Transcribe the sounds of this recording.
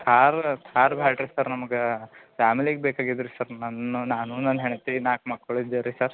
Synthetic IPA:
t̪ʰaːɾt̪ʰaːɾbʱaːʈɾesɐɾnɐmɐɡefaːmiliɡebeːkaːɡid̪ɾesɐɾnɐnunaːnunɐnːɦeɳt̪enaːk̚maːɽ̚koɭid̪ːeɾisɐɾ

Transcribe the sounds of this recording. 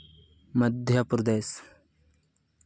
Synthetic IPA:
məd̪ʱjɐpɾɐd̪eːs

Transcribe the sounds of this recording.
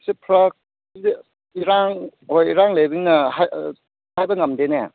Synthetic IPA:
sipʰɾɐk̚ | iɾaŋɦojiɾaŋlebiŋnɐɦaj | hajbɐŋɐmdene

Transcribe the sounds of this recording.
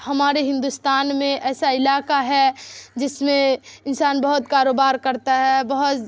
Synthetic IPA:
hɐmaːɾeɦɪ̃nd̪ust̪aːnmẽʔɛːsaɪlaːkaɦɛd͡ʒɪsmẽɪnsaːnbɐɦʊt̪kaːɾoːbaːɾkɐɾt̪aɦɛbɐɦʊt̪

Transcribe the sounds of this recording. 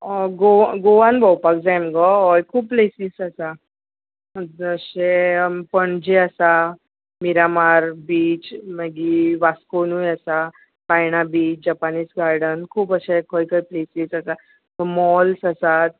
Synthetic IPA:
ɡoɡoʋãnbʱɔwpakd͡zamɡɔɔjkʰuːb̚plesisəsa | əɕepəɳd͡ʑeəsa | miɾamaɾbiːt͡ɕməɡiʋaskonujəsa | pajɳ̃abiːt͡ɕd͡ʑapaniːsɡaɾɖənkʰuːpəɕekɔjkəjplesiːsəsa | t̪ɔmɔlsəsat̪̚

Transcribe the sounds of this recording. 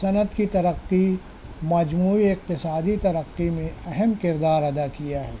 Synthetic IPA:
sɐnət̪kit̪ɐɾəqːi | mɐd͡ʒmuːiɪq̚t̪ɪsaːd̪it̪ɐɾəqːimẽɐɦɛmkɪɾd̪aːɾɐd̪akijaɦɛ̰ː

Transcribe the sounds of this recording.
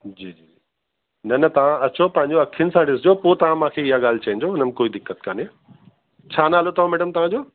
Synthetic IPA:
d͡ʑiːd͡ʑiːi | nɐnɐt̪ɐʋ̤ãɐt͡ɕʰopɐ̃ɦɪ̃ɲd͡ʑoɐkʰːiɪənɪsãːɖɪsd͡ʑoːpoːt̪ɐʋ̤ãmãːkʰeɪɦaɠaːl̤t͡ɕɐɪ̃n̆d͡ʑoːʊnəm̆koːid̪ɪkːət̪kaːne | t͡ɕʰaːnaːlot̪ɐʋ̤ãmɛːɖəmt̪ɐʋ̤ãd͡ʑoː

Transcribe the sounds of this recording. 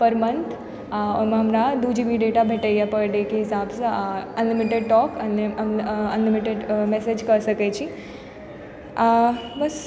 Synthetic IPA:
pəɾmənt̪ʰ | mãɦəmɾad̪ud͡ʒibʱiɖeʈabʱeʈəjapəɖekeɦɪsabsəənlɪmiʈeɖ̚ʈɔːkəneəənlɪmiʈeɖmesed͡ʒkəɾsəket͡ʃʰi | bəs

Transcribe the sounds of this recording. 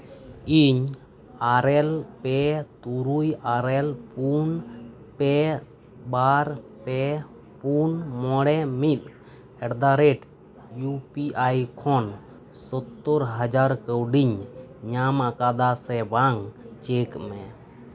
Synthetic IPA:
iɲ | aɾɛlpɛt̪uɾujaɾɛlpun | pɛ | baɾpɛ | punmɔɽɛmit̪̚ | ɛɽd̪aɾɛʈ | jupiʔajkʰɔn | sɔt̪ːɔɾɦad͡ʒaɾkəwɖiɲɲamakad̪asɛbaŋt͡ʃekmɛ

